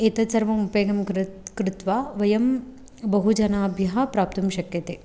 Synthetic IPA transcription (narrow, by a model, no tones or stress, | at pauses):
et̪ɐsɐɾʋɐmupeːɡɐmkɾɪt̪ʋaːʋɐjɐm | bɐɦud͡ʒɐnaːbʱjɐɦɐ̆pɾaːp̚t̪ɐmʃɐkjɐt̪eː